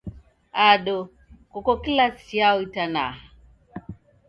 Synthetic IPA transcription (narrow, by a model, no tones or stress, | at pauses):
aɗɔ | kɔkɔkilasiaɔitana̰ha